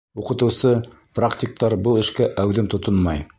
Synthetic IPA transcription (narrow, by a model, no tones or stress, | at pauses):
uqɤ̆t̪ɤ̆wsɤ | praktʲik̚t̪ɑɾbɤlˠɘ̆ʃkæʔæwðɘnt̪ŏt̪onmɑj